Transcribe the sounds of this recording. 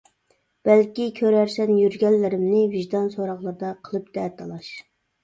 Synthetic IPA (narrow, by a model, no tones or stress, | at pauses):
b̥ælkʲikʲʰøɾæɾsɛnjyɾɡʲɛlːɪɾɪmnɪviʒd̪ɑnsoɾɑχlˠɑɾd̪ɑqʰəlˠɨp̚d̪̥ɛt̪ʰɑlˠɑʃ